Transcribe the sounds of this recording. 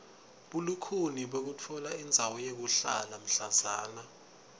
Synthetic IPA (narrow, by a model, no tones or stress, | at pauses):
ɓulukʰuniɓok̬ut͡fʰɔlaind͡zʱawɔjek̬uɬa̰lam̩ɬazaːna